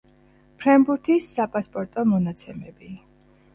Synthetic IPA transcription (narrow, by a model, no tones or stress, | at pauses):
pʰɾɛmbuɾt̪ʰisːapʼaspʼɔɾt̪ʼɔmɔnat̪sʰɛmɛbi